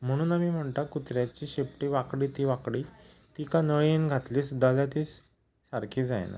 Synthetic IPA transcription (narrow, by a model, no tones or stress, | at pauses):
m̤əɽ̃ũːnamiːm̤əɳt̪akut̪ɾjat͡ɕiːɕepʈiʋakɽiːt̪iːʋakɽiː | t̪ikanəɭenɡʱat̪liːsd̪alat̪iːs | saɾkʰiːd͡za̰j̰na̰